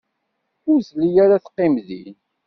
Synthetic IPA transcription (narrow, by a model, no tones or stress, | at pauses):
ʊɾslijaɾaθqːɪmðḭn